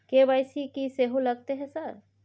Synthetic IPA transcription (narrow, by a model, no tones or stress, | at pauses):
kebajsikiseɦoləɡt̪eɦɛsəɾ